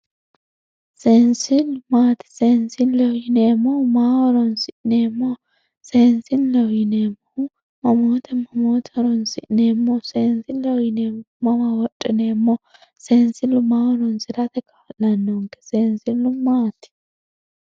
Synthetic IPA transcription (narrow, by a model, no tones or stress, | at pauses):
sensɪlʊmaːt̪ɪ̥sensɪnlɔwɪneːmomaːwɔɾɔnsɪʔneːmːo | seːnsɪnlɔwɪnemːo | mɐmot̪ʰɛmɐmoːt̪ʰɾɔnsɪʔnemːoseːnsɪnlɐwɪnemomɐmawɔtʼːɪnemːɔ | sensɪlʊmaːwɔɾɔnsɪɾɐt̪ɛkʰɐ̥fɐlɐnːɔŋkɛ̥seːnsɪlʊmaːt̪ɪ̥